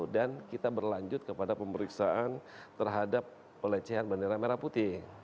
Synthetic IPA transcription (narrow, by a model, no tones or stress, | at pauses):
dankit̪abərlaɲd͡ʒʊt̪̚kəpadapəməɾiksaʔant̪ərɦadapː | ələt͡ʃɛɦanbəndeɾameɾaput̪ɪ